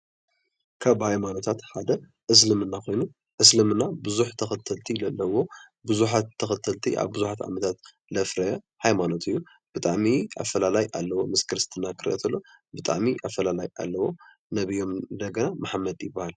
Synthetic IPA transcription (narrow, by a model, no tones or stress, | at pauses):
kʰaβhajmano̞t̪ʰat̪ħad̪ɐ | ʔɨs̬lɨmɨnːako̞jnu | ʔɨs̬lɨmɨnːabɨzuħt̪ʰɐxɐt̪ʰːɐlt̪ʰilɐlːɐwo̞ | bɨzuħat̪ʰːɐxɐt̪ʰːɐlt̪ʰḭʔa̰βbɨzuħat̪a̰mɐt̪ʰat̪ | lɐfɾɐɐ | hajmano̞t̪ɨjːu | b̥ɨt̪ʼaʕmiʔa̰fɐlalajʔalːɐwo̞mɨskʰɨɾɨst̪ʰɨnakʰɨɾʔɐ̰t̪ʰɐlːo̞ | bɨt̪ʼa̰ʕmiʔafɐlalaja̰lːɐwo̞ | nɐβijo̞md̪ɐɡɐnamaħmːɐd̪jɪbːahal